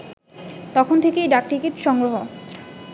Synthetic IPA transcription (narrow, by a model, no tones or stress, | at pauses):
t̪ɔkʰont̪ʰekejɖak̚ʈikeʈʃɔŋɡɾoɦo